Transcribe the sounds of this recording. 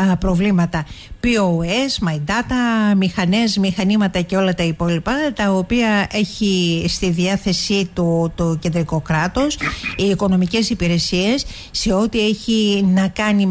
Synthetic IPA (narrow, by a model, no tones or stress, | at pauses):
pɾo̞vlimɐt̪ɐpioe̞smɐid̪ɐt̪ɐmixɐne̞zmixɐnimɐt̪ɐce̞o̞lɐt̪ɐipo̞lipɐt̪ɐopiɐe̞çist̪iðiɐθe̞sit̪ut̪oce̞nd̪ɾiko̞kɾɐt̪o̞siːko̞no̞mice̞sipiɾe̞sie̞sː | e̞o̞t̪ie̞çinɐkɐni